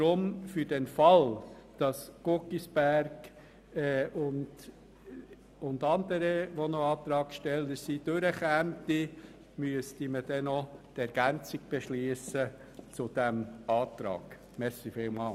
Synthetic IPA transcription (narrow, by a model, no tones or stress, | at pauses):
tɾʊmfyɾd̥ɛnfɑld̥ɑsɡ̥ʊkisb̥æɾɡ̥ | ɛʊnd | ʊnd̪ɑnd̪əɾəʋɔnɔɑːt̪ɾɑːkʃtɛləɾsid̥øɾəχæmt̪i | myəstiməd̥ɛnɔt̪ɛɾɡ̥ænt͡siɡ̥̚b̥eʃliəsə | t͡sʊd̥̪æmɑːt̪ɾɑ̰ːɡ̥ | mɛɾsifɪːlmɑːl